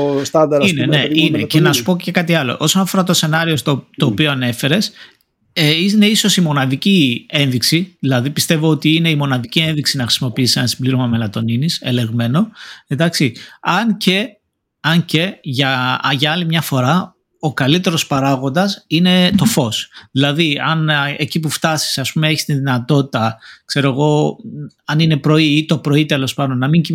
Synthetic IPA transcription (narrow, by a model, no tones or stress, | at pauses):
st̪ɐnd̪ɐɾineneinecenɐsu̥poce̞kɐt̪iɐlo̞̰ʔo̞so̞nɐfo̞ɾɐt̪ose̞nɐɾio̞sot̪o̞ːpioɐne̞fe̞ɾe̞s | ineiso̞simo̞nɐðicie̞nðiksiðilɐðipist̪e̞vo̞ot̪iine̞imo̞nɐðicie̞nðiksinɐxɾisimo̞piisiɐnsibliɾo̞mɐme̞lɐt̪o̞ninise̞le̞ɣme̞no̞ed̪ɐksiɐnce̞ | ɐɲce̞ʝɐʝɐɐlimɲɐfo̞ɾɐ | o̞kɐlit̪e̞ɾo̞spɐɾɐɣo̞nd̪ɐsine̞t̪o̞fo̞sðilɐðiɐne̞cipuft̪ɐsi̥sɐspumee̞çi̥st̪inðinɐt̪o̞t̪it̪ɐkse̞ɾo̞eɣo̞ | ɐnine̞pɾo̞iit̪o̞pɾo̞it̪e̞lo̞spɐnonɐmiɲci